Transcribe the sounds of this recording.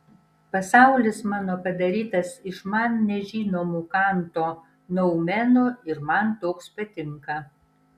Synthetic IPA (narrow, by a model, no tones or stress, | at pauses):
pɐsɑˑʊlʲɪsmɑːnoːpɐd̪ɐɾʲiːt̪ɐsɪʃmɐnnʲɛʒʲiːnoːmuːkɑˑnt̪oː | nɐʊmʲɛnoːɪɾmɐnt̪oːkspɐt̪ʲɪŋkɐ